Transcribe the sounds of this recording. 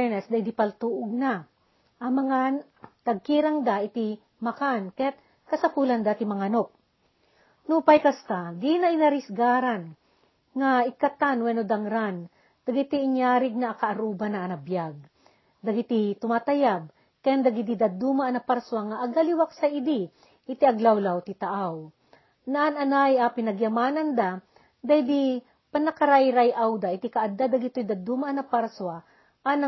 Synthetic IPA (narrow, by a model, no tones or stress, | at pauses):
nɛsd̪aid̪ipɐlt̪uʔʊɡ̚na | ʔɐmɐŋa | t̪ɐɡ̚kiɾaŋd̪aʔɪt̪i | mɐkankɐjat̪̚ | kɐsɐpuland̪aːt̪ɪmɐŋanop̚ | nupajkɐst̪ad̪inɐɪnɐɾɪsɡaːɾan | ŋaɪkɐt̪anwɛnod̪ɐŋɾan | d̪̥ɐɡɪt̪iɪɲjaːɾɪɡ̚naːkɐʔɐɾuːbanɐʔːnɐbjaɡ̚ | d̪ɐɡɪt̪it̪ʊmaːt̪ɐjab̚ | kɐjand̪ɐɡid̪id̪ɐd̪umaʔnɐpaɾswaŋaʔɐɡaliwak̚sajɪd̪i | ʔɪt̪iʔɐɡlawlawt̪ɪt̪ɐʔaw | naʔanɐnajapɪnɐɡjɐmaːnɐnd̪a | d̪ajd̪i | pɐnɐkɐɾajɾajʔawd̪aʔɪt̪ikaʔad̪ad̪aɡɪt̪ojd̪ɐd̪umaʔnɐpaɾswa | ʔanɐ